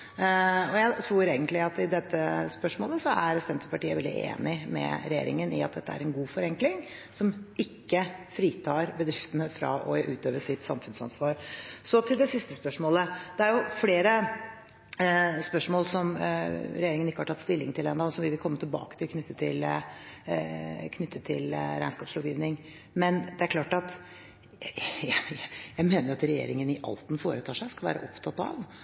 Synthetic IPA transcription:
ɔjæɪt̪ʰɾuːɾeːɡənt̪lɪɑt̪ɪd̪ɛt̪ːəspœʂmoːləsɔæɾsɛnt̪ʰəpɑʈiːəʋɛld̪ɪ̰ʔḛːnɪmɛ̰ɾɛjḛːɾɪ̰ŋənɪ̰ɑt̪̚d̪ɛt̪ːəæ̰ɾɛnɡuːfɔɾɛŋklɪŋ | sɔmʔɪkːəfɾiːt̪ʰɑːɾbəd̪ɾɪft̪ənəfɾɑ̰ʔɔʔʉːt̪øːʋəsɪt̪sɑmfʉnsɑ̰nsʋɑːɾsɔt̪ʰɪld̪ɛsɪst̪əspœʂmoːləd̪̥ɛæɾjʊfleːɾə | spœʂmoːlsɔmɾɛjeːɾɪŋənɪkːəhɑʈʰɑt̪st̪ɪlːɪŋt̪ʰɪlɛːnd̪ɑːɔsɔmʋɪʋɪlkʰɔmːət̪ʰɪlbɑ̰ːkət̪ʰɪlkʰnʏt̪ːət̪ʰːɪl | kʰnʏt̪ʰːət̪ʰːɪlɾæ̰ɪnskɑːpslɔːʋjiːʋnɪŋ | mɛnd̪ɛæɾkʰlɑːʈɑt̪ | jjæɪmeːnəɾɑt̪ɾɛjḛːɾɪŋənɪʔɑ̰lt̪n̩foːɾət̪ʰɑːʂæɪskɑlʋæ̰ːɾə̰ʔɔpt̪ʰɑt̪ːɑ̰ʋ

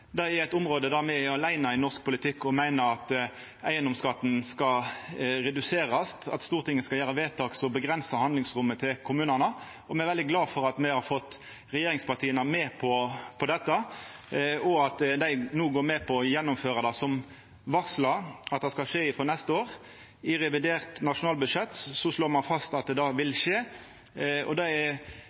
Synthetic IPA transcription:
d̪ɛæɛt̪ʊmʁoːd̪əd̪æːʁmɛæɾɑlæɪnɑɪnɔsk̚pʰʊlɪt̪ʰɪkːɔmæɪnəɾɑt̪ | æɪənd̪ɔmskɑt̪ːn̩skɑɾɛd̪ʉseːɾɑst̪ɑ̰t̪st̪uːʁt̪ʰɪŋːəskɑjæːɾəʋeːt̪ʰɑːksɔbəɡɾɛnsəhɑnd̪lɪŋsʁʊmːət̪ʰɪlkʰʊmʉːnənə | ɔmɛɛɾʋɛld̪ɪɡlɑːfɔɾɑt̪mɛhɑɾfɔt̪ː | ɾɛjeːɾɪŋspɑʁt̪ʰiːənəmeːpʰɔpʰɔd̪ɛt̪ːə | ɔɑt̪d̪æɪnuːɡoːɾmɛpʰɔjɛnːʊmføːɾəd̪ɑsɔm | ʋɑʁslɑɑt̪̚d̪ɛskɑʂeːɪfʁɔːnɛst̪əoːʁ | ɪɾɛʋɪd̪eːʁt̪nɑʂʊnɑːlbʉʂɛt̪ːsɔsloːmɑnfɑst̪ɑt̪̚d̪ɛd̪ɑːʋɪlʃeː | ɔ̰d̪ɑɛ

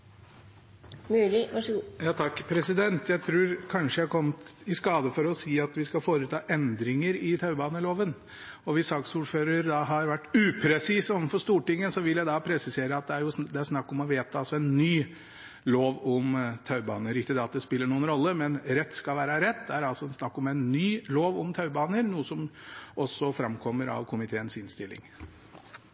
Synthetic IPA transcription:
mʉːlɪjɑːt̪ʰɑkːpʰɾɛsɪd̪ɛnt̪ʰjæɪt̪ʰɾʉːɾkʰɑnʂəjækʰɔmt̪ɪskɑːd̪əfɔɾɔsiːɑt̪ʋɪskɑfoːɾət̪ʰɑːʔɛnd̪ɾɪŋəɾɪt̪ʰɑʉbɑːnəloːʋən | ɔʋɪsɑksuːɖføːɾəɾd̪ɑɦɑɾʋæʈːʉːpʰɾɛsisɔʋən̩fɔʂt̪uːʈɪŋːəsɔʋɪljæɪd̪ɑpʰɾɛsɪseːɾəɑt̪̚d̪ɛæɾjʊd̪ɛæɾʂnɑkːɔmɔʋeːt̪ʰɑɑlsɔɛnːyː | loːʋɔmt̪ʰɑʉbɑ̰ːnəɾɪt̪ːəd̪ɛɑt̪̚d̪ɛspɪlːəɳuːənɾɔlːəmɛnɾɛt̪ːskɑlʋæːɾɑɾɛt̪̚ːd̪ɛæɾɑlsɔɛnsnɑkːɔmɛɪnːyːloːʋɔmt̪ʰɑʉbɑːnəɾnuːəsɔmʔɔsːɔfɾɑmkʰɔmːəɾɑ̰ʋkʰʊmɪt̪ʰeːənsɪnst̪ɪlːɪ̰ŋ

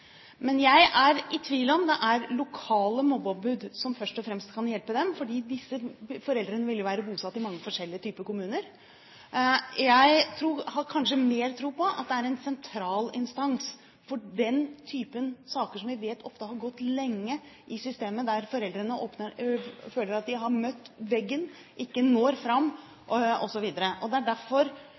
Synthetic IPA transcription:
mɛnjæɪʔæɾɪt̪ʰʋiːlɔmd̪ɛʔæɾlʊkʰɑːləmɔbɑbʉd̪sɔmfœʂʈɔfɾɛmst̪kʰɑnjɛlpəd̪ɛmfɔɖiːd̪ɪsːəfɔɾɛld̪ɾənəʋɪljʊʋæːɾəbuːsɑt̪ːɪmɑŋːəfɔʂɛlːɪət̪ʰyːpəkʊmʉːnəɾ | jæɪt̪ʰɾuːhɑɾkʰɑnʂəmeːɾt̪ʰɾuːpɔʔɑ̰t̪̚d̪ɛæɾɛnsɛnt̪ʰɾɑːlɪnst̪ɑns | fɔɖɛnt̪ʰyːpənsɑːkəʂɔmʋɪʋeːt̪ʰɔft̪əhɑɾɡɔt̪ːlɛŋːə | ʔɪsʏst̪eːməd̪æɾfɔɾɛld̪ɾənəʔoːpnəɾføːləɾɑt̪̚d̪ɪɦɑɾmœt̪ːʋɛɡːən | ʔɪkːənoːɾfɾɑmː | ɔsɔʋiːd̪əɾəʔɔd̪ɛæɖæɾfɔɾ

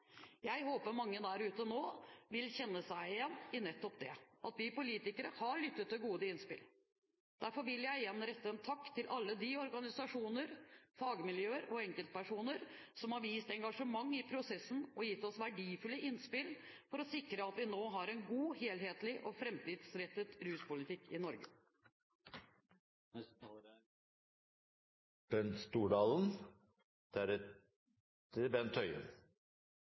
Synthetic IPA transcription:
jæɪhoːpəɾmɑŋːəd̪æɾʉːt̪ənoːʋɪlçɛnːəsæɪɪjɛnːɪnɛt̪ːɔpd̪ɛʔɑt̪ʋɪpʊliːt̪ɪkəɾəhɑɾɭʏt̪ːət̪ːɪɡuːd̪əɪnspɪ̰l | d̪̥æɾfɔɾʋɪljæɪjɛnːɾɛt̪ːəɛnt̪ʰɑkːt̪ʰɪlʔɑlːəd̪iɔɾɡɑnɪsɑʂuːnəɾfɑɡəmɪljøːəɾɔɛŋkəlt̪̚pʰæʂuːnəɾsɔmhɑɾʋiːst̪ɛŋɡɑʂəmɑŋːɪpʰɾʊsɛsːən̩ɔjɪt̪ːɔsʋæɖiːfʉlːəʔɪnspɪl | fɔɾɔsɪkɾəɑt̪ʋɪnoːɦɑɾɛnɡuːheːlɦeːt̪lɪʔɔfɾɛmt̪iːd̪sɾɛt̪ːət̪ɾʉːspʊlɪt̪ɪkːɪnɔɾɡə | b̥ɛnst̪uːɖɑːln̩ | d̪̥æɾɛ | əbɛnt̪ʰːœʏə̰n

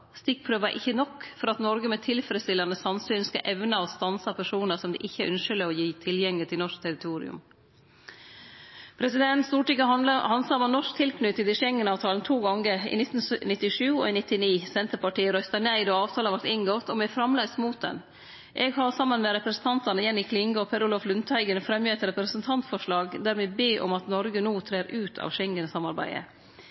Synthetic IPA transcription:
st̪ɪk̚pʰɾøːʋɑɾʔɪçːənɔkːfɔɾɑt̪nɔɾɡəmɛt̪ʰɪlfɾəst̪ɪlɑnəsɑnsyːnskɑ̰ʔɛʋnəɔst̪ɑnsɑpʰæʂuːnəɾsɔmd̪ɛ̰ʔɪçːəæɾʔʉnʂəlɪɔjiːt̪ʰɪljɛŋlɪt̪ʰɪlnɔʂkt̪ʰɛɾɪt̪ʰuːɾɪ̰ʉ̰m | pʰɾɛsɪd̪ɛnst̪uːʈɪkəhɑnsɑɾmɔmnɔʂk̚t̪ʰɪlkʰnʉːt̪ːɪd̪ɪʂɛŋənɑːʋt̪ʰɑːlnt̪ʰuːɡɑŋəɾɪ̰nɪt̪n̩snɪt̪ːɪʂʉːo̰ːiːnɪt̪ɪniːsɛnt̪əpɑʈiːɾœʏst̪ɑnæɪd̪oɑːʋt̪ʰɑːləʋæɾʈ̪ɪŋɡɔt̪ʰɔmɛfɾɑmlæst̪muːt̪̚d̪ɛ̰n | ʔɛːɡhɑɾsɑmːənmɛɾɛpɾəsn̩t̪ʰɑnt̪ɑnəjɛnːɪkʰlɪŋɡɔpʰɛɾʊːlɔflʉnt̪hæɪɡənfɾɛmjəɛt̪ɾɛpɾəsnt̪ʰɑnt̪fɔʂɭɑːɡd̪æːɾmɛbeːʔɔ̰mɑt̪nɔɾɡənuːt̪ʰɾeːɾʔʉːt̪ʰɑ̰ːʋʃɛŋːənsɑmɑɾbæ̰ɪə̰

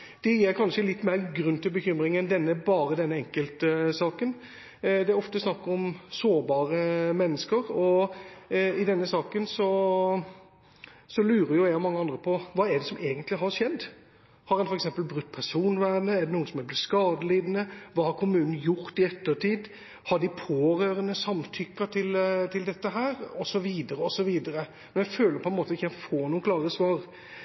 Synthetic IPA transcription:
d̪̥ɛjiːɾkʰɑnʂəlɪt̪ːmeːɾɡɾʉnːt̪ɪlbəçʏmɾɪŋɛnd̪ɛnːəbɑːɾəd̪ɛnːəɛŋkəlt̪əsɑːkən | d̪ɛæɔft̪əsnɑkːəɾɔmsoːɾbɑːɾəmɛnːəskəɾɔ | ɪd̪ɛnːəsɑːkənsɔ | sɔlʉːɾəjʊjæɪɔmɑŋːəɑnd̪ɾəpʰɔʋɑːɛɖɛsɔmeːɡənt̪lɪɦɑɾʂɛd̪d̪ | hɑɾɛnfɔɾɛksɛmpəlbɾʉt̪ːpʰæɾʂuːnʋæɾnəɛɖ̪ɛnuːənsɔmɛlblɪt̪skɑːd̪əliːd̪nəʋɑːhɑɾkʰʊmʉːnn̩jʊɾt̪ɪɛt̪ːəɾʈiːd̪ | hɑɖɪpʰoːɾøːɾənəsɑmt̪ʰʏkːɑt̪ʰɪlt̪ʰɪld̪ɛt̪ːəɦæːɾɔsɔʋiːd̪əɾəɔsɔʋiːd̪əɾə | mɛnjæføːləɾpʰɔɛnmoːt̪əɪçːkʰæɪfoːnuːənkʰlɑːɾəsʋɑːɾ

